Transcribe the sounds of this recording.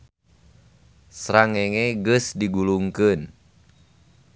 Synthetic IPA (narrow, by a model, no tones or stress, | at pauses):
sɾaŋeŋeɡɨsdiɡuluŋkɨn